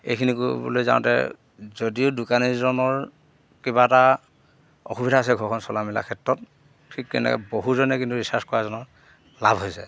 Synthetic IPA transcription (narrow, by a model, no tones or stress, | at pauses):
ḛjkʰinikubṵlojza̰w̃tɛ̰ | zodiʊdʊkaniɹzɔnɔɹ | kibata | ɔ̰xubidʱaːs̬ɛɡʱɔɹkʰɔnsɔlamila̰kʰɛtɹɔt̚ | tʰikːɛ̰nɛ̰kɛ̰boɦuzɔnɛkintuɹisaskɔɹazɔnɔɹ | labʱɦojsɛ̰